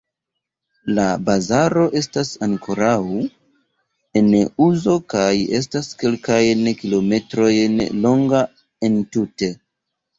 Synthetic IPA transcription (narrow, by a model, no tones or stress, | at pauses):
labazaɾo̞ʔe̞stasaŋkʰo̞ɾaw | e̞nuzo̞kaje̞s̬taske̞lkajnkilo̞me̞tɾo̞jnlo̞ŋɡa | e̞ntute̞